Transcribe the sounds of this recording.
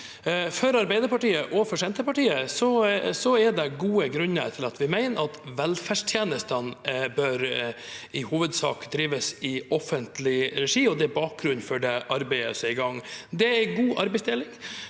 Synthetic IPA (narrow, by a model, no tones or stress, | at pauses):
fœɾɑɾbæɪd̪əɾpɑʈiːəʔɔfɔʂɛnt̪əpɑʈiːəsɔsɔɛɖ̪ɛɡuːəɡɾʉnːə̰t̪ʰɪlɑt̪ʋɪmæɪnɑt̪ʋɛlfæʂʈʰjeːnəst̪ənbœɾ | ɪhuːʋəd̪sɑ̰ːkd̪ɾiːʋəsɪɔfənt̪lɪɾɛʂiːɔd̪ɛbɑːk̚ɡɾʉnfɔɖɛʔɑɾbæɪə̰sɪɡɑŋːd̪ɛæɪɡuːʔɑɾbɛɪsd̪eːlɪŋ